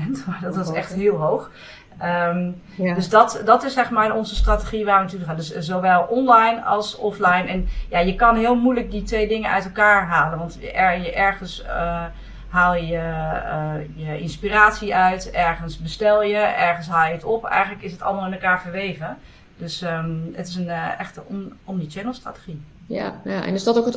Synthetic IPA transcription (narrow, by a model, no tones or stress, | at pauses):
ɛntmadɔtsɛxtɦɪːlˠɦowχ | əm | døsdɑtdɑtɪsɛχmaːɹnɔnzəstrateχiʋaːɹʋənatuːləχaːndɵszowʋɛlˠɔnlajnɑ̰lˠsɔflɛjnɛnjajəkɑnɦɪːlˠmujlək̚ditʋejdɪŋənʔœ̰ɥtɛlˠkaːɹɦaːlənʋɑntɛjəʔɛɹχənsə | ɦaːlˠjjə | jəʔɪnspiraːtsiʔœɥtɛɹɣənsbəstɛlˠjəɛɹχənsɦaːlˠjəətɔpɛ̰jxənləkɪsətɑ̰lˠmɑlˠɪnɛlˠkaːɹfəɹʋeːvə | døsəətɪsənɛxtəɔnlit͡ʃɛnəlˠstra̰te̥xi | ja̰jaɛ̰nɪsdɔtokət